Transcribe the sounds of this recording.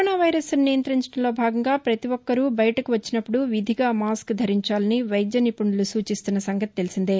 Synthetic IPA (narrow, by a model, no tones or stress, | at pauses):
naːʋɐjɾɐsnijɐnt̪ɾɐɲt͡ʃɐʈɐmlo̞ːbʱaːɡɐŋɡaːpɾɐt̪iʋɔkːɐɾubɐjɐʈɐkuʋɐt͡ʃːinɐpːuɽuʋid̪ʱiɡaːmaːskd̪ʱɐɾiɲt͡ʃaːlɐniʋɐjd̪jɐnipuɳːɐlusuːt͡ʃist̪unːɐsɐŋɡɐt̪i̥t̪e̞lisind̪e